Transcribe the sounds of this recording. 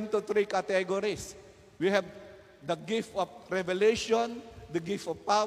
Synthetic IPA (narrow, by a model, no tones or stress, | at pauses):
nt̪ut̪ɾikat̪ɛɡɔɾis | wiɦɛv | d̪əɡift̪ɔfɾɛvɛleʃɔ̃nd̪əɡift̪ɔfpa